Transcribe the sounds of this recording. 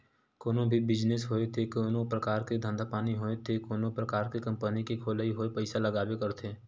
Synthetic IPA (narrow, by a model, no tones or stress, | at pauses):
koːnõbʱibɪd͡ʒnesɦoːet̪ʰekoːnõpɾɐkaːɾked̪ʱə̃nd̪ʱapaːniɦoːet̪ʰekoːnõpɾɐkaːɾkekɐ̃mpənikekʰoːləiɦoːepəɪsalɐɡaːwekɐɾt̪ʰeː